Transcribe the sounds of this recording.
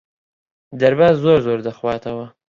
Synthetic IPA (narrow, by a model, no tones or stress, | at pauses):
d̪aɾbazoɾzoːɾd̪əxwɑːt̪awa